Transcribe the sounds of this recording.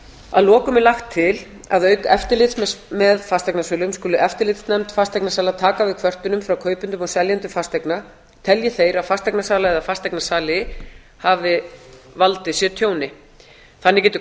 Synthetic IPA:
aðlɔːkʏmɛlaxt̪ʰːɪl | a̰ðœɥkɛft̪ɪɾlɪt̪smmɛðfast̪ajknasœːlʏmskʏːlʏʔɛft̪ɪɾlɪt̪snɛmt̪fast̪ajknasaːlat̪ʰaːkavɪðkʰvœr̥t̪ʏnʏmfɾawkʰœːɥpʏnt̪ʏmɔɣsɛljant̪ʏfast̪ajkna | t̪ʰɛljɛθejɾaðfast̪ajknasaːlaɛðafast̪ajknasaːlɪ | havɪ | valt̪ɪsjɛt̪ʰjoːwnɪ | θanːɪcɛːt̪ʏ

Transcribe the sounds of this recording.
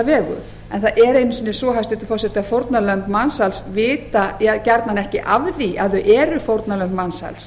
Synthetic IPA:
avɛːɣʏ̰ | ɛnθaɛɾejnʏsiːnɪsvɔːɦajst̪ʏt̪ɪ̥fɔrsɛt̪ɪafowɾt̪nalœmpmansalsvɪːt̪ajaðcɛɾt̪nanɛhcɪʔavðiʔaðʏʔɛːɾʏfowɾt̪nalœmpmansa̰ls

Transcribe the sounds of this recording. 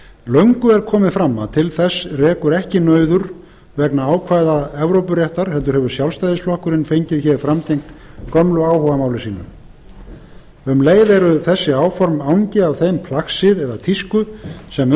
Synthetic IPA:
lœɥŋkʏɛɾ̥kʰɔːmɪðfɾamːa̰t̪ʰɪlθɛsːrɛːkʏɾɛhcɪnœːɥðʏɾ | vɛknaaːwkʰvaːjðaɛvɾowpʏɾjɛht̪aɾ̥hɛlt̪ʏɾhɛvʏɾ̥sjawlst̪ajðɪsflɔhkʏɾɪnfejɲcɪðçɛɾfɾamc̪ejŋkt̪ | kœmlʏaːwhɔvamaːwlɪsiːnʏ̰ | ʏmleːjðɛɾʏθɛsːɪaːwfɔɾmawɲcɪavθejmpʰlaxsɪðɛðat̪ʰiskʏsɛm

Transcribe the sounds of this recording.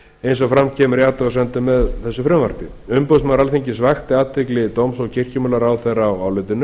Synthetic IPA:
ejns̬ɔɣfɾamcʰɛːmʏɾjaːt̪aɣasɛnt̪ʏmɛðθɛsːʏfɾʏmva̰ɾ̥pɪ | ʏmpowsmaɾalθiɲcɪsvaxt̪ɪaːt̪vɪklɪt̪owmsɔɣcʰɪr̥cʏmʏːlaɾawθɛrawawlœːt̪ɪnʏ

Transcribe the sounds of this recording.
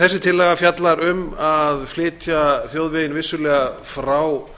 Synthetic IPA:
θɛsːɪt̪ʰɪlːɛɣafjat̪laɾʏmaðflɪːt̪jaθjowðvɪjɪnvɪsːʏlɛːɣafɾaw

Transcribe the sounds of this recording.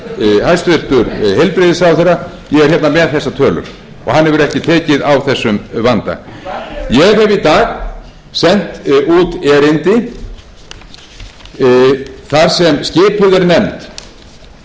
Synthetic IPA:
hajst̪vʏr̥t̪ʏɾhejlpɾɪðɪsawθerːa | jɛɣɛɾhçɛt̪namɛðθɛsːat̪ʰœːlʏ̰ɾ̥ | ɔ̰ɣhanhɛvʏɾɛhcɪt̪ʰɛːcɪðawθɛsːʏmvant̪a̰ | jɛɣhɛvit̪aːɣ | sɛn̥t̪ut̪ɛːɾɪnt̪ɪ | θaɾsɛmscɪːpʏðɛɾnɛmt̪

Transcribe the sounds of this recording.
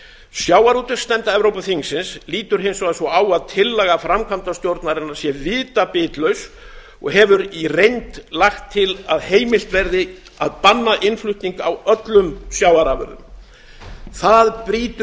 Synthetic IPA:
sjaːwaɾut̪ɪɾ̥st̪ɛmt̪aɛvɾowpʏθiŋsɪnsliːt̪ʏɾ̥ɦɪjnsɔɣðasvɔaːwaðt̪ʰɪlːɛɣafɾamkʰamt̪ast̪jowɾt̪naɾɪnḁsjɛvɪːt̪apɪːt̪lœɥs | ɔ̰ɣɦɛvʏɾirejnt̪laxt̪ʰːɪlaðheːjmɪl̥t̪vɛɾðɪ | a̰ðpanːaʔɪnflʏht̪niŋkawœt̪lʏmsjaːwaɾavʏ̰ɾðʏ̰m | θaðpɾiːt̪ʏ

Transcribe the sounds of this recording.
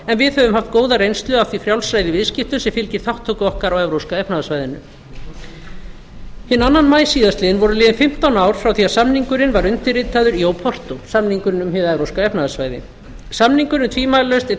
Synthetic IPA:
ɛnvɪðhœvʏmhaft̪̚koːwðarejnst̪lʏaft̪vifɾjawlsɾajðɪvɪðscɪhft̪ʏsɛmfɪlcɪɾ̥θawht̪ʰːokʏɔhkaɾawɛvɾowskaɛpnaðasvaːjðɪnʏ̰m | hɪnːanːanmaːjsiːðast̪ɪðɪnvɔɾʏlɪːðɪnfɪm̥t̪awnaːwɾ̥fɾawθiːasamniŋkʏɾɪnvaɾʏnt̪ɪrɪːt̪aðʏɾijoːwpʰɔr̥t̪osamniŋkʏɾnʏmhɪvaɛvɾowskaɛpnaðasvaːjðɪ̰ | samniŋkʏɾnɪnt̪ʰviːmajlalœɥst̪ɛ

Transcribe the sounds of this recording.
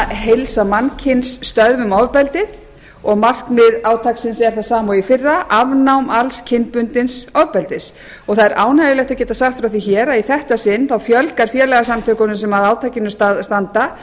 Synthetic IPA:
ɦejlsamancʰɪnsːt̪œðvʏmawvpɛlt̪ɪð | ɔɣmar̥kmɪðaːwt̪ʰaksɪnsɛɾ̥θaðsaːmaifɪrːaʔavnawmalscʰɪnpʏnt̪ɪnsawvpɛlt̪ɪs | ɔɣθaðɛɾʔaːwnajɪlɛxt̪acɛːt̪asaxt̪fɾawθ̬içɛːɾaiθɛht̪asɪnːθawfjœlkaɾ̥fjɛːlɛɣasamt̪ʰœːkʏnʏmsɛmaðaːwt̪ʰacɪnʏst̪ast̪ant̪a

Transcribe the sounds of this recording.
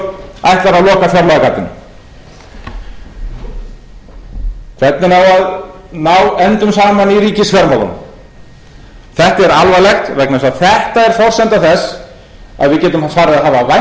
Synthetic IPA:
a̰jht̪laɾaðlɔːkafjaɾlaɣakat̪ːʏn | kʰvɛt̪nɪnawað | nawɛnt̪ʏmsaːmaniɾiːcɪsfɛɾmaðɔ̰n | θɛht̪aɛɾalvalɛxt̪vɛknasaðθɛht̪aɛɾ̥fɔr̥sɛnt̪aθɛsː | a̰ðvɪðcɛːt̪ʏmafaːɾɪðaðɦaːvava

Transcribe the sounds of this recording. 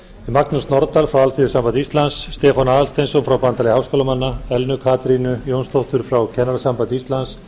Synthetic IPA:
imaknast̪nɔɾt̪alfɾawalθiðʏsampanɪist̪lansːt̪ɛːfanaːðalst̪ejnsɔnfɾawpant̪alɪhawskowlamanːaɛlnʏkʰaːt̪ɾinʏjownst̪owht̪ʏɾ̥fɾawcʰɛnaɾasampant̪ɪist̪lans

